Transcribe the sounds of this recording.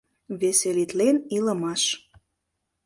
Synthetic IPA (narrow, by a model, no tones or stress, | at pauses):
βeselit̪lenilə̆mɑʃ